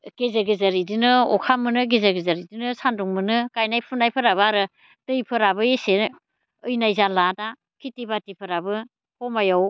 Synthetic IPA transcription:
ɡ̥ezaɡɯzaɾidinɯɔkʰamɯnɯɡezaɡizaɾidinɯsanduŋmɯnɯkajnajpʰunajpʰɯɾaβɯaɾɯ | tɯjpʰɯɾabɯese | ɯjnajzalada | kʰitibatipʰɯɾabɯ | hɔmajaw

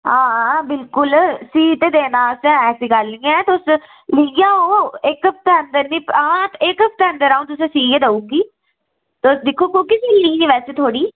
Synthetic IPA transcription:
ɦãːbɪlkʊlsiːt̪eːd̪eːnãːsɛ̃ːɛːsiːkəɾlĩːãt̪ʊs | lijaːoːɪkəp̚t̪eənd̪əɾnĩːpãːt̪ɪkəp̚t̪eːə̃nd̪əɾaːũt̪̬ʊsẽːsiːɡed̪əũːɡiː | t̪sd̪ɪkʰːoːkoːkɪsiːliːɡeːʋɛːseːt̪ʰoːɽiː

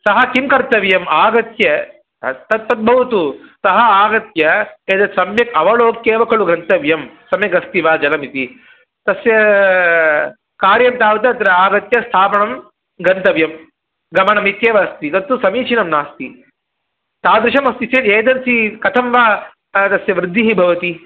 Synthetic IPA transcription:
sɐɦɐkimkɐɾt̪ɐʋjɐmaːɡɐt̪jɐ | t̪ɐt̪̚pɐt̪̚bʱɐʋut̪usɐɦɐaːɡɐt̪jɐeːd̪ɐt̪sɐmjɐkɐʋɐɭoːkjeːʋɐkʰɐɭuɡɾɐnt̪ɐʋjɐmsɐmjɐɡɐst̪iʋaːd͡ʒɐlɐmit̪i | t̪ɐsjɐ | kaːɾjɐmt̪aːʋɐt̪ɐɐt̪ɐɾɐaːɡɐt̪jɐst̪ʰaːpɐɳɐm | ɡɐnt̪ɐʋjɐm | ɡɐmɐɳɐmit̪jeːʋɐst̪it̪ɐt̪ːusɐmiːt͡ʃʰinɐmnaːst̪i | t̪aːd̪ɾɪʃɐmɐst̪iseːt̪eːd̪ɐnsikɐt̪ʰɐmʋaː | t̪ɐsjɐʋɾɪd̪ʱːiɦibʱɐʋɐt̪i

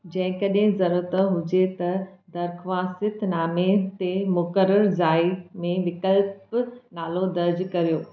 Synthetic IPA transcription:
d͡ʑɐ̃ɦɪ̃kɐɗɦɪ̃zɐɾəɾt̪əɦʊd͡ʑet̪ɐd̪ɐɾkʰʋaːsɪt̪naːmet̪emʊkəɾəɾzaːimẽʋɪkəlpnaːlod̪ɐɾd͡ʑkɐɾijoː

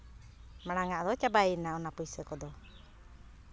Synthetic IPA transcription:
maɽaŋaʔd̪ɔt͡ʃabainaɔnapujsəkɔd̪ɔ

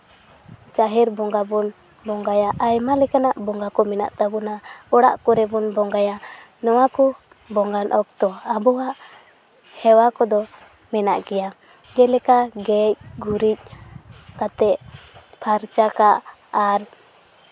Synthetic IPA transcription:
t͡ʃaɦɛɾbɔŋɡabɔn | bɔŋɡajaʔajmalɛkanaʔbɔŋɡakɔmɛna̰ʔt̪abɔnaɔɽa̰ʔkɔɾɛbɔnbɔŋɡaja | nɔwakɔ | bɔŋɡanʔɔk̚t̪ɔabɔwaʔ | hɛwakɔd̪ɔ | mɛna̰ʔkɛja | ɡɛlɛkaɡɛc̚ɡuɾic̚ | kat̪ɛʔpʰaɾt͡ʃakaʔ | aɾ

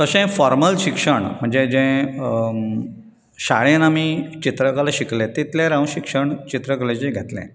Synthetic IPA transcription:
t̪əɕẽfɔɾməlɕikʂəɳm̤əɳd͡zed͡ʑẽ | ɕa̰ɭẽnamiːt͡ɕit̪ɾəkalaɕiklẽt̪it̪laɾaũnɕikʂəɳt͡ɕit̪ɾəkəled͡ʑeɡʱet̪lḛ̃

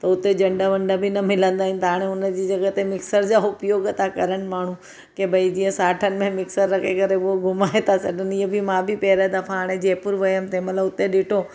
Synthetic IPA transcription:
t̪ɐʊt̪ed͡ʑɐɳɖəʋə̃ɳɖabʱinɐmɪlə̃nd̪aːɪ̃nɪ̆t̪aːɽ̃eʊnd͡ʑiːd͡ʑɐɡət̪emɪksəɾd͡ʑaʊpjoːɡt̪akɐɾəɽ̃ɪ̆maːɳ̤ũ | kebʱɐid͡ʑijə̃saːʈʰənɪ̆mẽmɪksəɾːɐkʰekəɾeooɡʱʊmaːet̪ʰasɐɖəniəbʱimãbʱipɛːɾad̪ɐfʰãɦaːɽ̃ed͡ʑeːpʊɾʋɐjəmt̪ʰemɐt̪ləbʊt̪ːeɗɪʈʰo

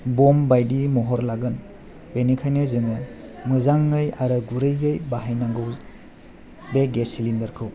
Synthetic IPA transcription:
bɔmbajdimɔɦɔɾlaɡɯn | benikʰajnɯzɯŋɯ | mɯzaŋːɯjaɾɯɡuɾɯjɯjbaɦajnaŋɡɯw | beɡesilindɐɾkʰɯw

